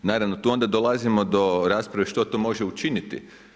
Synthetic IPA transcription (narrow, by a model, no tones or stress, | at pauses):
naːɾaʋno̞t̪uːo̞nd̪ad̪olˠazimo̞d̪o̞ɾaːspɾaʋiʃt̪o̞t̪oːmo̞ʒeut͡ʃinit̪ḭ